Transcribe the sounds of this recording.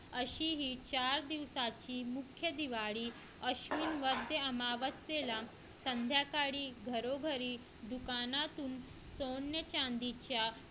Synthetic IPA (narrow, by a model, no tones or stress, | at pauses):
əɕiːɦiːt͡ɕaɾd̪iʋsat͡ɕiːmukʰːjəd̪iʋaɽiː | əɕʋinʋəd̪ʱjəəmaʋəsela | sənd̪ʱjakaɽiːɡʱəɾoɡʱəɾiː | d̪ukanat̪uːn | sonjət͡ɕãnd̪it͡ɕja